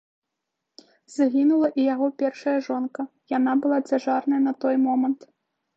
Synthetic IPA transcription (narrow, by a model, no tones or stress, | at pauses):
z̥aɣʲinulˠɐʔijaɣɔpʲɛrʂɐjɐʐɔnkɐ | janabɨlˠad͡zʲaʐarnɐjɐnɐt̪ɔjmɔmɐnt̪